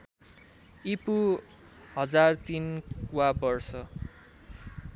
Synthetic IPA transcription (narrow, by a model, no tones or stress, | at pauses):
ipu | hʌd͡zart̪inkwabʌrsʌ